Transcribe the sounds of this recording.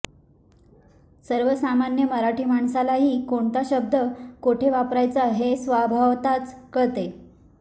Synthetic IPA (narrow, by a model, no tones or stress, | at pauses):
səɾʋəsamanjəməɾaʈiːmaɳsalaɦiːkoɳt̪aɕəb̚d̪ʱəkoʈʰeʋapɾajt͡saɦesʋabʱaʋt̪at͡skəɭt̪e